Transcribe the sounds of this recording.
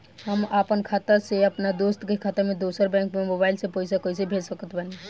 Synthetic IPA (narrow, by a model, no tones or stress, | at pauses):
ɦəmapənkʰaːt̪əɾseəpnad̪ost̪kekʰaːt̪əɾmẽd̪osəɾbɛ̃ːŋkmemobaɪlsepoɪsakoisebʱed͡ʒsəkət̪bəne